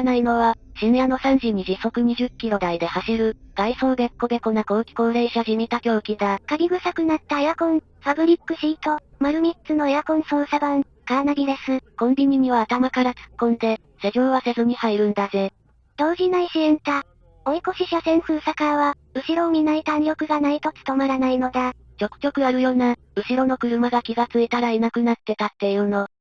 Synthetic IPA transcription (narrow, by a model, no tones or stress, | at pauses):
naino̞βaɕineano̞sãɲ̟d͡ʑɨːɲ̟iʑiso̞kɯ̟ɲ̟iʑɨkʲːiɾo̞d̪aid̪e̞haɕiɾɯ̟ɡ̪̥aiso̞ːɡ̪e̞kːo̞d̪e̞ko̞nako̞ːkʲi̥ko̞ːɾe̞ːɕaʑimʲit̪akʲo̞ːkʲid̪akaɡʲiɡɯ̟sakɯ̟nat̪ːaejakõ̞ŋ | pabɯ̟ɾʲikːɯ̟ɕiːt̪o̞maɾɯ̟mʲitt͡sɨno̞ejakõ̞ɰ̃so̞ːsabãŋ | kanaɡʲiɾe̞sɨkõ̞mbʲiɲ̟iɲ̟iβaːt̪amakaɾat͡sɨ̥kːõ̞nd̪e̞ | seʑʲo̞ːβase̞zɨɲ̟ihaiɾɯ̟̃nd̪aze̞ | d̪̥o̞ːʑinaiɕiẽ̞nt̪a | oiko̞ɕiɕasẽ̞ɰ̃sɨːsakaβa | ɯ̟ɕiɾo̞ːmʲinait̪anɾʲo̞kɯ̟ɡanait̪o̞t͡sɨ̥t̪o̞maɾanaino̞d̪a | t͡ɕo̞kɯ̟̥kʲo̞kɯ̟aɾɯ̟jo̞ːna | ɯ̟ɕiɾo̞no̞kɯ̟ɾɯ̟maɡakʲiɡat͡sɨet̪aɾainakɯ̟nat̪ːe̞t̪at̪ːe̞jɯ̟ːno̞